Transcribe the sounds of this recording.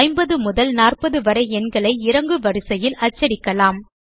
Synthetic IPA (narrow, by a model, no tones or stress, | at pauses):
ɪmbɐðɯmʊðɐlnaːrpɐðɯʋɐɾɐɪɛnɡɐɭɐɪɪɾɐŋɡɯʋɐɾɯsɐjɪlɐt͡ʃːɐɾɪkːɐlaːm